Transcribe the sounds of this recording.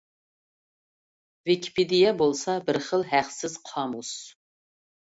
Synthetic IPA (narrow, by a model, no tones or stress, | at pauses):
vikʲʰi̥ped̪ijɛbolˠsɑbɪɾχəlˠɦæqsɪz̥qʰɑːmus